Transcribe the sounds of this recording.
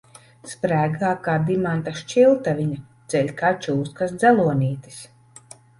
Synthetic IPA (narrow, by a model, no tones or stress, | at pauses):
spɾæːɡaːkaːd̪imant̪aʃt͡ʃilˠt̪avʲiɲad̪z̥ɛʎʲkaːt͡ʃuːskasd̪zɛlˠuɔnʲiːt̪i̥s